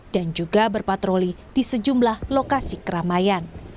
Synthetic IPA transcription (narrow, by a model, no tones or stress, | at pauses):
d̥and͡ʒuɡabərpat̪ɾoli | d̥isəd͡ʒumblahlokasikəɾamajan